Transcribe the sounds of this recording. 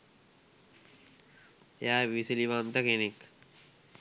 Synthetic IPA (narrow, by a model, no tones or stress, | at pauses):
jaːʋisiliʋaːnt̪ɐkenik